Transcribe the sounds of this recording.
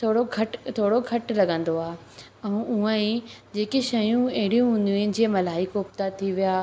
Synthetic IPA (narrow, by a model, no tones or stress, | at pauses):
t̪ʰoːɽoɡʱɐʈt̪ʰoːɽoɡʱɐʈlɐɠə̃nd̪oaːɦe | ɛ̃ũə̃ĩd͡ʑeːkeʃɐjũɐɦɪɽijũɦʊ̃nd̪iũẽd͡ʑiemɐlaːikoːp̚t̪at̪ʰiʋijaː